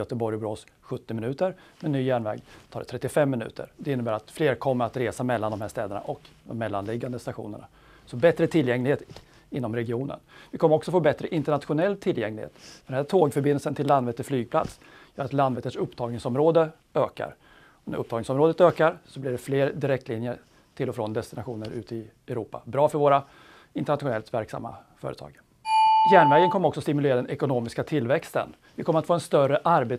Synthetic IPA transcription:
jœt̪əbɔɾjbɾoːsɧɵt̪ːɪmɪnʉ̟ːt̪əɾmɛnːyːjæːɳvɛ̰ːɡt̪ʰɑːɖɛt̪ʰɾɛt̪ːɪfɛmːɪnʉ̟̰ːt̪ʰə̰ɾd̪ɛɪnːəbæːɾat̪fleːɾkʰɔmːəɾat̪ɾeːsamɛlːand̪ɔmhæːʂt̪ɛːd̪əɳa̰ʔɔkd̪ɔ̰mːɛlːanlɪɡːand̪əst̪aɧṵːnə̰ɳa̰ | sɔbɛt̪ɾət̪ʰɪlːjɛŋlɪɡheːt̪ | ɪnːɔmɾɛɡɪuːnə̰nvɪkʰɔməɾɔksɔfoːbɛt̪ɾəʔɪnt̪əɳat̪ɧʊnɛlːt̪ʰɪljɛŋlɪɡhḛːt̪fɛd̪ɛnæt̪ʰoːɡfœɾbɪnəlsənt̪ʰɪlːand̪vɛːt̪əʂflyːɡ̚pʰla̰t̪s | jœːɾat̪land̪vɛːt̪əʂɵpːt̪ʰɑːɡnɪŋsɔmɾoːd̪ə | øːka̰ɾ | ɔnæ̰ɾɵp̚ːt̪ɑːɡ̪nɪŋsɔmɾoːd̪ət̪øːkaɾsɔblɪɖɛfleːɾd̪ɪɾɛkt̪lɪnjəɾ | ʈʰɪlːɔfɾɔnd̪ɛst̪ɪnaɧuːnəɾʔʉ̟ːt̪ɪ | ɛɾuːpa̰bɾɑːfœɾvoːɾa | ɪnt̪ɛɳat̪ɧʊnɛlt̪væɾksa̰mːa̰fœ̰ːɾət̪ʰɑ̰ːɡ | jæːɳvɛːɡənkʰɔməɾɔksɔst̪ɪmɵleːɾad̪ɛnɛkʊnoːmɪskat̪ʰɪlːvɛkst̪ə̰n | vɪkʰɔmːəɾat̪foːɛnst̪œrəʔaɾbeː

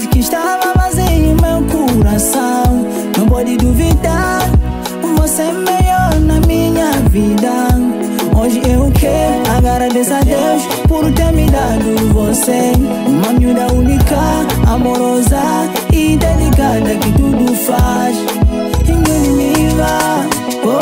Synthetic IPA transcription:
kɪʃt̪avɐvazeɲumewkuɾasɐ̃w̃ | nɐ̃w̃pɔd̪ɪd̪uvid̪aɾ | vosemeʎɔɾnɐmĩɲɐvid̪ɐ | oʒɪewkɛɾaɡɾaɾad̪esad̪ewʃ | poɾut̪eɾmid̪ad̪uvose | mɐ̃ɲud̪ɐunikɐamoɾɔzɐ | id̪elikad̪ɐkɪt̪ud̪ufaʃ | ĩd̪unimiva

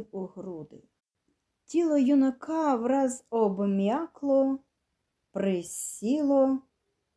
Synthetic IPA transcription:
wʊɦɾud̪ɪ̰ | tʲilˠɔjʊnɐkʰɑwɾɑzɔbɔmʲjɑklˠɔ | pɾɪsʲilˠɔ

